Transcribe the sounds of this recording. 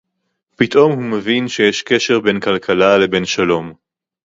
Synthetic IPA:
pit̪ʔo̞mhumevinʃe̞jeʃke̞ʃe̞ʁbe̞nkalkʰalale̞be̞nʃalo̞m

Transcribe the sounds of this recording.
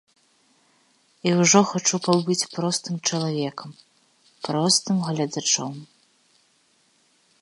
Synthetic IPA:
iwʐɔxat͡ʂupawbɨt͡sʲpɾɔst̪ɨmt͡ʂɐlˠavʲɛkɐm | pɾɔst̪ɨmɣlʲɐd̪at͡ʂɔm

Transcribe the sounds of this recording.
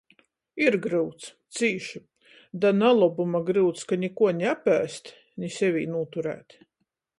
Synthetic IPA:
iɾɡɾɨwt̪st̪siːʃi | d̪analˠɔbumaɡɾɨwt̪skanʲikuɔɲʲæpæːst̪ | nʲisʲɛvʲḭːnuːt̪uɾæ̰ːt̪

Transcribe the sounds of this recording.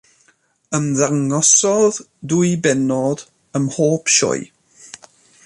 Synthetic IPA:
əmðaŋɔsɔð | dujbɛnɔd̥ | əmhoːpʰʃɔ̰j

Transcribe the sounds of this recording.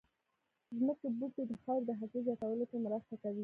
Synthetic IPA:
zməkebut̪ed̪əxɑɾd̪əɦakozjɑt̪awəlopəmɾast̪akawi

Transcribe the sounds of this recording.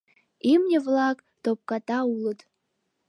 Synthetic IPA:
imnʲivlakʼ | dop̚kʼatʼaulɨtʼ

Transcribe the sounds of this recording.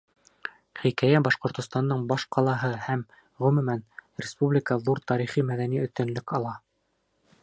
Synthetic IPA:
χikæjæbɑʃqŏɾt̪ŏst̪ɑnd̪ɤɴbɑʃqɑlˠɑɦɤhæm | ʁɵ̆mɵ̆mænrʲɪspublʲɪkəðuɾt̪ɑɾiχimæðæniɵ̆θt̪ɵ̆nlɵkɑlˠɑ

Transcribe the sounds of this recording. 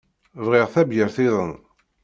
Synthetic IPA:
vʁɪʁθæbjəɾθɪðˤən

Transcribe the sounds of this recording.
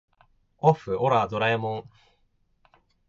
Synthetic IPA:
oɸɯ̟ʔoɾaːd̪oɾaemõŋ

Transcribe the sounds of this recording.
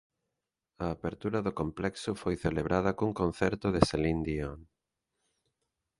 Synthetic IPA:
ɐːβeɾt̪uɾɐðʊkomplɛksʊfojθeleβɾʔaðɐkuŋkon̟θɛɾt̪ʊðeselind̪ion

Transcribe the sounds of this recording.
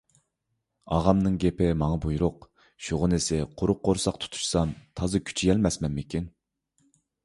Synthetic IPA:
ɑʁɑmnɨŋɡʲepɪmɑŋɑbujɾʊq | ʃuʁʊnɪsɪqʰʊɾʊqʰːoɾsɑqt̪ʰu̥t̪ʰu̥ʃsɑmt̪ʰɑzɨkʲʰy̥t͡ʃʰijɛlmɛsmɛnmɪkʲin

